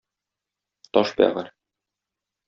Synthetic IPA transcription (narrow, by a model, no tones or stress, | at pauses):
t̪ɒʃbæ̰ʁɘɾ